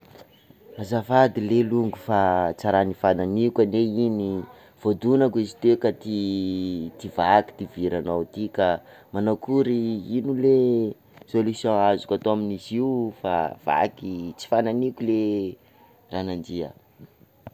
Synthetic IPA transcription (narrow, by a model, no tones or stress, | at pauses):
azafad̪ileluŋɡufat͡saɾanifananikʲaneini | v̥od̪unakizi̥t̪ekat̪i | t̪ivaki̥t̪iviɾanawt̪ika | manakuɾiinule | solusjõazu̥kʲat̪oaminiziufa̰v̥a̰kit͡si̥fananikʲule | ranand͡ʒia̰